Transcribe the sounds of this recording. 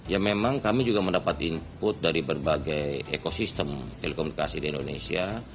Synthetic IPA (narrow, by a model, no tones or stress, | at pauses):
jamemaŋkamid͡ʒuɡaməndapat̪impʊt̪̚daɾibərbaɡajekosist̪əmt̪elekomunikasidiindonesia